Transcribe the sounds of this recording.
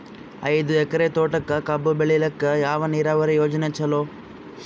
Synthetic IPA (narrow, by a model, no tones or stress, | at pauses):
ɐ̰jd̪uɛkɐɾet̪oːʈɐkːɐkɐbːubeɭilɐkːɐjaːʋɐniːɾaːʋɐɾijoːd͡ʒɐnet͡ʃːɐloː